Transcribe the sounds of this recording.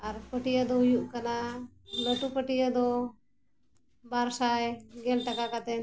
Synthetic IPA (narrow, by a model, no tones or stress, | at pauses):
aɾpəʈijəd̪ojuʔkəna | ləʈupəʈijəd̪o | baɾsajɡelʈəkakat̪e